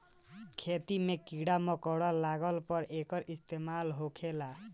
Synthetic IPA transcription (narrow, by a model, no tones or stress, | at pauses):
kʰet̪imekiɽamɔkɔɽɔlaɡəlpɔɾekəɾist̪emalɦokʰela